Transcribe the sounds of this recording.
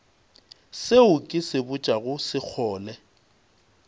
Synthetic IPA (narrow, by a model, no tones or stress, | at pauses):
seʊkʼɪsɪbʊt͡ʃʼaɣʊsɪk͡xʰɔːlɛ